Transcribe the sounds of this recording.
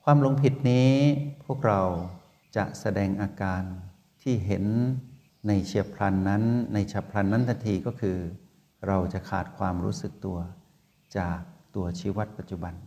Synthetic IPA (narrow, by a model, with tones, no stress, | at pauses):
kʰwaː˧mlo˧ŋpʰi˨˩t̪̚niː˦˥pʰu˥˩ək̚ɾa˧w | t͡ɕa˨˩ʔsa˧dɛː˧ŋʔaː˧kaː˧n | t̪ʰiː˥˩ɦe˩˦nː | a˧jt͡ɕʰi˧˩əpʰla˧nːa˦˥nːa˧jt͡ɕʰaː˨˩pʰla˧nːa˦˥nt̪ʰa˧nt̪ʰiː˧kɔː˥˩kʰɯː˧ | ɾa˧wt͡ɕa˨˩kʰaː˨˩t̪̚kʰwaː˧mɾṵː˦˥sɯ˨˩k̚t̪u˧ɐ | t͡ɕaː˨˩k̚t̪u˧ɐt͡ɕʰiː˧˥wa˦˥t̪̚pa˨˩t̪̚t͡ɕu˨˩ba˧n